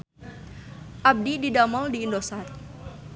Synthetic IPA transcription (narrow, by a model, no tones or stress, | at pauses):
ʔab̚dididamɔldiːndosar